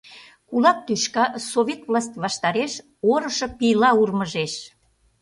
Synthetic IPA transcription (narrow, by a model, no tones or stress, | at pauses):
kulɑk̚t̪yʃkɑsoβʲet̪vlɑsʲt̪ʲβɑʃt̪ɑɾeʃ | oɾəʃɤpijlɑurməʒeʃ